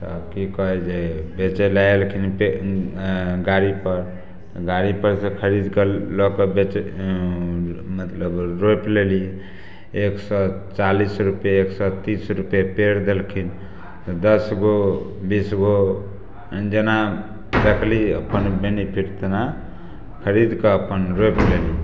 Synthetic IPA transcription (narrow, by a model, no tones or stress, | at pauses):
t̪ɔkikɔɦɛd͡ʒebet͡ʃɛlaelkʰinpe | ɡaɾipəɾ | ɡaɾipəɾsẽkʰəɾid̪kellɔkɔbet͡ʃ | mət̪ləbɾopleli | eksɔt͡ʃalisɾupjeeksɔt̪isɾupjapeɽd̪elkʰin | t̪ɔd̪əsɡobisɡo | d͡ʒena | d̪ekʰliə̰pənbenipʰiʈt̪na | kʰəɾid̪keəpənɾojpleli